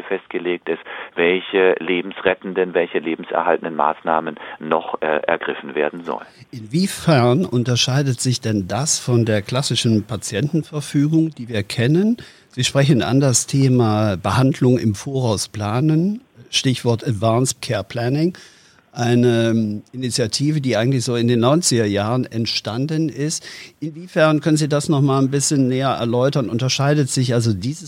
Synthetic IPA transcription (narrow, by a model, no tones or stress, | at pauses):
fɛst̚ɡ̥əleːk̚tɪsv̥ɛlçəleːbm̩sʁɛtn̩dənvɛlçəleːbm̩sʔɛ̰ɐɦaltən̩dənma̰ːsnaːmənːɔχʔɛ̰ɐɡʁɪfn̩veːɐdn̩zɔ̰ln | ʔɪnviːfɛɐnʔʊntɐʃaɪdətz̥ɪçd̥ɛndasfɔndeːɐkl̥asɪʃn̩pʰat͡sjɛntn̩fɛɐfyːɡʊŋd̥iːviːɐkʰɛnən | z̥iːʃpʁ̥ɛçn̩a̰ndastʰeːmabəhandlʊŋɪ̰mfoːɐʁaʊspl̥aːnənʃtɪçv̥ɔɐtatv̥aːnstkʰɛːɐpʰl̥ɛnɪŋ | ʔaɪnəʔɪnit͡sjatʰiːvədiːʔaɪɡŋ̩tlɪçz̥oːɪndeːnːɔʏnt͡sɪɡɐjaːʁənɛntʃtandənɪstʔɪnviːfɛɐnkʰœnənziːdasnɔχmaːlnbɪsçənːɛːɐʔɛ̰ɐlɔʏtɐnʔʊntɐʃaɪdətz̥ɪçʔalzodiːzəs